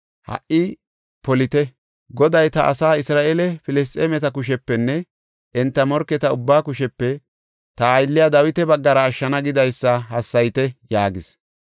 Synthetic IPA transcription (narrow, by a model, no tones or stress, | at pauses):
hɐ̰ʔʔɪ | pɔlɪt̪ɛ | ɡɔd̪ɐjt̪ɐʔɐ̰saːɪsɾaːʔeːlɛfɪlɛs̬t̪ʼeːmɛt̪ɐk̬ʊʃ̬ɛpːɛnːɛ | ʔɛnt̪ːɐmɔɾkːɛt̪ɐʊbːaːkʊʃɛpːɛ | t̪ɐːjlːɪjad̪ɐwɪt̪ɛbɐɡːɐɾɐːʃːɐnɐɡɪd̪ɐjsːɐɦɐsːɐjt̪ɛjaːɡɪs